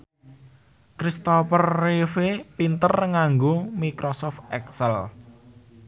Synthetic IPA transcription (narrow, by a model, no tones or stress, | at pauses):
kɾist̪ɔfərːefepint̪ərŋaŋɡomikɾɔsɔft̪ɛksɛl